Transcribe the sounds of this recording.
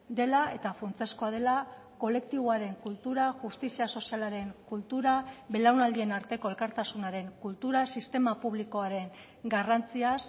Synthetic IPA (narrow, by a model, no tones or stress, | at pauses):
d̪e̞lae̞t̪afunt͡sesko̞að̞e̞la | ko̞le̞k̚t̪iβ̞oaɾe̞ŋkult̪uɾaʝust̪isiaso̞sialaɾe̞ŋkult̪uɾaβe̞lawnald̪ie̞naɾt̪e̞ko̞e̞lkaɾt̪asunaɾe̞ŋkult̪uɾasist̪e̞mapuβ̞liko̞aɾe̞ŋ | ɡarant͡sias